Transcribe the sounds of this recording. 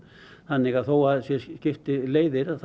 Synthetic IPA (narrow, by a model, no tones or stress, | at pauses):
θanːɪɣaðθowaðsjɛscɪft̪ɪleːjðɪɾaðθ